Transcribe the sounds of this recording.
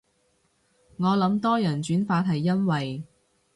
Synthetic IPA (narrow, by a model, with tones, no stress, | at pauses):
ŋɔː˨˧lɐ˨˥mt̪ɔː˥jɐ˨˩nt͡ʃyː˨˥nfaː˧t̚ɦɐ˨jːɐ˥nwɐ˨j